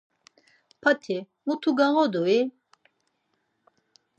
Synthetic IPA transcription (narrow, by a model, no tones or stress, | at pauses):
pʰat̪ʰi | mut̪ʰuɡaʁɔd̪ui